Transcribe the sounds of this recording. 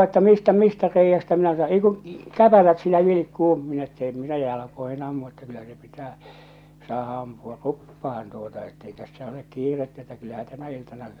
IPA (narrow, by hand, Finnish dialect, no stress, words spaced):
etːæ mistæ mistæ reijːæstæ minæ sɑ ei kũː kæpælæt silːæ ʋilikːuː minæ etːæ em minæ jɑ jɑlɑkoihi̥n ɑmːu etːæ kylːæ se pitæː sɑːhɑ ɑmpuɑ rupːɑhɑn tuotɑ etːei tæsːæ olek kiːretːæ etːæ kylːæhæ tænæ iltɑnɑ